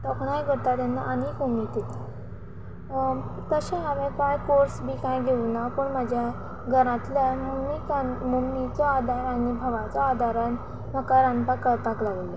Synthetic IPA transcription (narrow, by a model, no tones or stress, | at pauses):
t̪ɔkɽ̃ajɡʱəɽt̪at̪anːaʔanikumnit̪et̪a | k̪əɕẽɦaʋẽkajkoɾsbiːkãjɡʱeunapəɳmad͡ʑʱja | ɡʱəɾãt̪ljamumnikanmumnit͡sɔad̪ʱaɾanibʱəʋat͡sɔːd̪ʱaɾan | məkaɾãnpakapaklaɡle